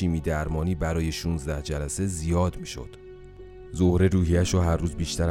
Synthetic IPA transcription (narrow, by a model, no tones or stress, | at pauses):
iːmiːd̪æɾmɒːniːbæɾɒːje̞ʃunzd̪æhd͡ʒælæse̞zijɒːd̪miːʃo̰d̪̥ | zohɾe̞ɾuːhijæʃɔːɦæɾruːzbiːʃt̪ʰæɾ